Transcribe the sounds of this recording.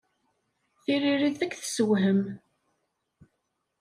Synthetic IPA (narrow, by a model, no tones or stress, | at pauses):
θiɾiɾiðθækːθə̥səwɦəm